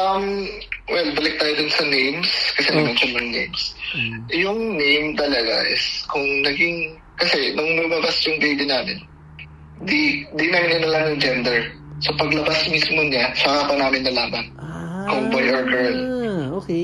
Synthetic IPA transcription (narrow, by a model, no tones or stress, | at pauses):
ʔɐm | wɛlbɐlɪk̚t̪aːjod̪ʊnsɐnejmskɐsɛmɐnonsɐnːʊŋnejms | jʊŋnejmt̪ɐlɐɡa̰ʔɪskʊŋnɐɡiŋ | kɐsɛnʊŋlʊmɐbasjʊŋbejbinaːmɪ̰n | d̪ind̪inaːmɪnɐnɐlaːɐnʊŋd͡ʒɛnd̪ɛɹ | sopɐɡlɐbasmismoɲasʊkaːpɐnaːmɪnːɐlaːmɐnkʊŋbojʔɔɹɡɛɹl